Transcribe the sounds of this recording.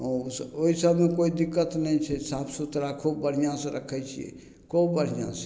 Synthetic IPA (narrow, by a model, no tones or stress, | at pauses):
ɔ̃soɦisəbmekoid̪ikːət̪nɛit͡ʃʰɛsãpʰsut̪ɾakʰobəɽ̤ijãsẽɾəkʰɛt͡ʃʰḭjɛ̰ | kobəɾ̤ijã̰se̥